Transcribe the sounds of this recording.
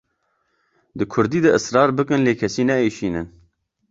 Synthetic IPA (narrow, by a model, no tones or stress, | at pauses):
d̪ɨkʰʊɾd̪iːd̪ɐʔɨsɾɑːɾbɨkɨnleːkʰɛsiːnɛeːʃiːnɨn